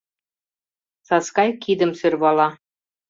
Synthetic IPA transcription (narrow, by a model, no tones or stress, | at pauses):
sɑskɑjkid̪ə̆msø̆rβɑlɑ